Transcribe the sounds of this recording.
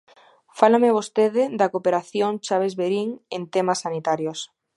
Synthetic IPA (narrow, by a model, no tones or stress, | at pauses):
falameβ̞ost̪eðɪd̪akopeɾaθjoŋt͡ʃaβ̞ezβeɾiŋent̪emasːanit̪aɾjos